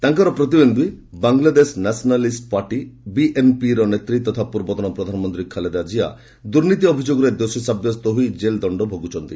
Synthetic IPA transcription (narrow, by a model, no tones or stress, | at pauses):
t̪aŋkɔɾɔpɾɔt̪̬ibend̪i | baŋlad̪esnasnalisʈpaɾʈibiʔempiɾɔnet̪ɾit̪ɔt̪ʰapuɾbɔt̪ɔnɔpɾɔd̪ʱanɔmɔnt̪ɾikʰaled̪ad͡ʒia̰ | d̪uɾnit̪iɔbʱid͡ʒoɡɔɾed̪osɔsabjɔst̪ɔɦujd͡ʒeld̪ɔɳɖɔbʱoɡut͡ʃʰɔnt̪i